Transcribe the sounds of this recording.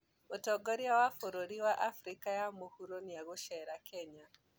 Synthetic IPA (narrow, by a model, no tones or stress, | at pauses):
otɔɡoɾiawafoɾoɾiwaʔafɾikajamohuɾoniaɣoʃɛɾakʰɛɲa